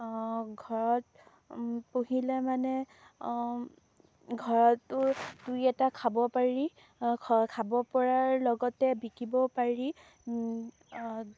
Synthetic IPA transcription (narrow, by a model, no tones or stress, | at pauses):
ɡʱɔɹɔt̚ | poɦilɛmanɛ | ɡʱɔɹɔtːʊdujɛtakʰabɔpaɹi | kʰabɔpɔɹaɹlɔɡɔtɛbikibɔpaɹi